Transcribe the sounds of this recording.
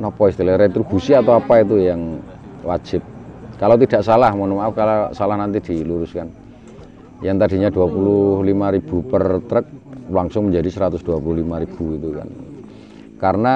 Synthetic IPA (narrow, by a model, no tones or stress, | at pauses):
nɔpɔist̪eleɾet̪ɾub̥usiat̪awapait̪̬ujaŋ | wḁd͡ʒ̥ɪp̚kalawt̪̬id̥a̤ʔsalahmɔnumaafkalasalahnant̪id̪̥iluɾʊskan | jaŋt̪adi̤ɲad̥uapulʊhlimaɾib̥ṳpərt̪ɾək̚laŋsʊŋməɲd͡ʒadisəɾat̪ʊsd̥uapuluhlimaɾib̥ṳit̪uka̰n | karna